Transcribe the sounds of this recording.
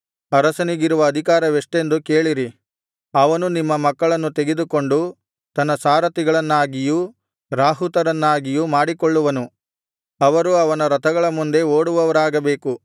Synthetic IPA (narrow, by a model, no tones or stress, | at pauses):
ɐɾɐsɐniɡiɾuʋɐːd̪ʱikaːɾɐʋiʂʈe̞nd̪uke̞ːɭiɾi | ɐʋɐnunimːɐmɐkːɐɭɐnːut̪eɡe̞d̪uko̞ɳɖu | t̪ɐnːɐsaːɾɐt̪iɡɐɭɐnːaːɡiju | ɾaːɦut̪ɐɾɐnːaːɡijumaːɽikoɭːuʋɐnu | ɐʋɐɾuɐʋɐnɐɾɐt̪ɐɡɐɭɐmund̪e̞oːɽuʋɐʋɐɾaːɡɐbe̞ːku